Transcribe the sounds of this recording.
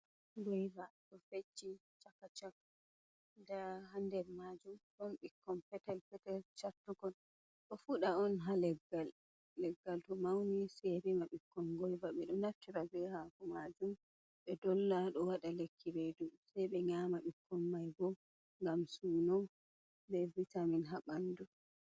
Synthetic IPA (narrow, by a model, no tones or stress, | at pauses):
ɡɔjvatɔfet͡ʃːit͡ʃakːat͡ʃak | daɦandɛɾmad͡ʒumɗɔnɓikʰːɔnpɛtɛlpɛtɛlt͡ʃatːuɡɔn | ɗɔfuɗaɔnɦalɛɡːalː | ɛɡːaltɔmawniseɾimaɓikʰːɔnɡɔjbaɓɛɗɔnatːiɾabɛhakɔmad͡ʒum | ɓɛdɔlːaɗɔwaɗalekʰːiɾedusajɓɛɲamaɓikʰːɔmːajbɔ | ŋɡamsuːnɔ | levːitaminɦaɓandu